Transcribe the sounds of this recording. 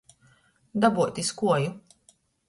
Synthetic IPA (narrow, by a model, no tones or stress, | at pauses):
d̪abuɔt̪iskuɔju